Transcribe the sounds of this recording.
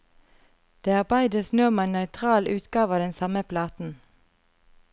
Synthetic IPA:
d̪̥eːæʁbɑɪd̪əsnøːmeæːnœʏt̪ʰʁɑːlʔʉːt̪ɡɑːʋɑːd̪ɛnsɑməpʰlɑːt̪n̩

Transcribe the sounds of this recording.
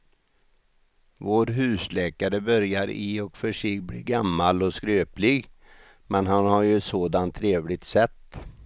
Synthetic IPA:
voːɾɦʉ̟ːslɛːkaɾəbœɾjaɾɪɔkfœʂɪɡblḭːɡamːalɔskɾøːplɪɡ | mɛnɦanhaɾjɵsoːd̪ant̪ʰːɾeːvlɪɡ̚t̪sɛt̪ː

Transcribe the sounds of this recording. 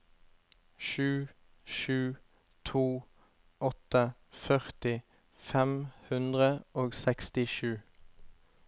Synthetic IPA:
ʃʉː | ʃʉː | t̪ʰuː | ɔt̪əfœʁt̪ɪ | fɛmhʉnd̪ʁəoːɡsɛkst̪ɪʃʉː

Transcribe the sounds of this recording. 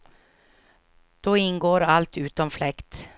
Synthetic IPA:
d̪̥oːɪnɡoːɾalt̪ʉ̟ːt̪ɔmflɛkt̪

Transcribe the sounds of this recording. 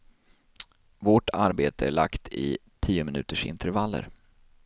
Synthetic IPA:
vɔʈʰaɾbeːt̪ʰəæɭa̰kt̪ʰɪt̪ʰiːʊmɪnʉ̟ːt̪əʂɪ̰nt̪ʰəɾvalːə̰ɾ

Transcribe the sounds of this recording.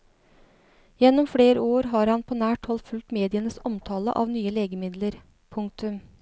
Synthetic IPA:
jɛnːɔmfɽeːɾəoːɾɦɑːɾhɑnpʰoːnæːʈhɔlt̪fʉlt̪meːd̪ɪənəsɔmt̪ʰɑːlə̰ʔɑ̰ːʋnyːəleːɡəmɪd̪ləɾ | pʰʊŋk̚t̪ʉm

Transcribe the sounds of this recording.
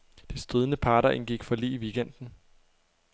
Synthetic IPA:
d̥e̝sd̥ʁeð̞ˠənəpʰɑ̈ːɾɐʔe̝nɡ̥iɡ̥fɒ̽lḭːʋiɡ̥en̰d̥n̩

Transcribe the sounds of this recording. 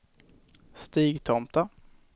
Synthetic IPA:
st̪iːɡt̪ʰɔmt̪a

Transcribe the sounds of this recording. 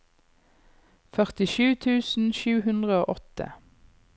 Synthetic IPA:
fœʁt̪ɪʃʉːt̪ʰʉːsn̩ʃʉːhʉnd̪ʁəoːʔɔt̪ə̰

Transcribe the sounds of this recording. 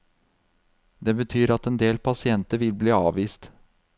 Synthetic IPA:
d̪eːbət̪ʰyːɾɑt̪ɛnd̪eːlpʰɑsɪɛnt̪əɾʋɪlbliːɑːʋiːst̪

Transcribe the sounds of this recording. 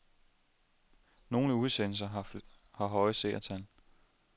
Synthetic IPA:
no̝ːləuð̞ˠsen̰l̩sɐ | hɑ̈ɦɒ̽ɪəse̝̰ːɐt͡sʰæl

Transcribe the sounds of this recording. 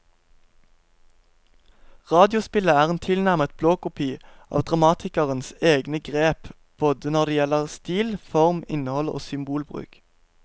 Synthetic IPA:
ʁɑːd̪ɪʊspɪləæːʁeːnt̪ʰɪlnæʁmət̪̚bloːkʊpʰiːʔɑ̰ːʋd̪ʁɑmɑːt̪ʰɪkəʁənseːɡnəɡʁeːp | b̥oːd̪ənɔʁd̪ɛːjɛləʁst̪iːlfɔʁmɪnəhɔlo̰ːsʏmbuːlbʁʉ̰ːk

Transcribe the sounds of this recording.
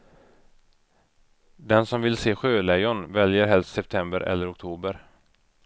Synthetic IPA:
d̪ɛnsɔmvɪlseːɧøːlɛjʊnvɛljəɾɦɛlst̪sɛp̚t̪ʰɛmbəɾɛ̰lːəɾɔk̚t̪ʰuːbəɾ

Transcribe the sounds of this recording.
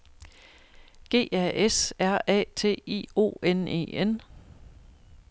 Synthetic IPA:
ɡ̥e̝̰ːʔɛʔesæɐ̰ɛ̰ːt͡sʰe̝̰ːḭːo̝̰ːene̝̰ːen

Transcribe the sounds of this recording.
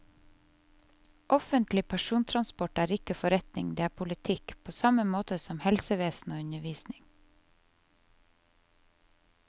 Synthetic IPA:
ʔɔfənt̪lɪpʰæʃuːnt̪ʰɾɑnspɔʈæːɾɪkəfɔɾɛt̪nɪ̰ŋd̪eːæːpʰʊlɪt̪ʰɪkpʰoːsɑməmoːt̪əsɔmhɛlsəʋeːsn̩oːʉnəʋiːsnɪŋ

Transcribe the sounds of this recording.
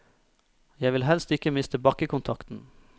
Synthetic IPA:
jæɪʋɪlɦɛlst̪ɪkəmɪst̪əbɑkəkʊnt̪ʰɑkt̪n̩

